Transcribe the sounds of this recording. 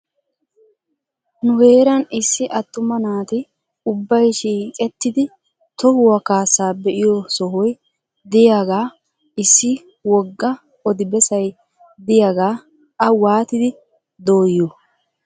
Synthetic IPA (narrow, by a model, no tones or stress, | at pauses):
nʊhe̞ːɾɐnɪsːɪʔɐt̪ːʊmɐnaːt̪ɪ | ʊbːɐjʃiːkʼɛt̪ːɪd̪ɪ | t̪ɔhʊwɐkaːsːaːbɛʔɪjɔsɔhɔj | d̪ɪjaːɡaː | ɪsːɪ | wɔɡːɐ | ɔd̪ɪbɛsɐj | d̪ɪjaːɡaː | ɐwaːt̪ɪd̪ɪ | d̪oːjːo